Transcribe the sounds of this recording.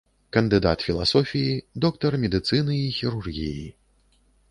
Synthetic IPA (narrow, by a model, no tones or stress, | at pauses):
kɐnd̪ɨd̪a̰t̪fʲilˠa̰sɔfʲijid̪ɔk̚t̪ɐrmʲɛd̪ɨt̪sɨnɨixʲiɾurɣʲiji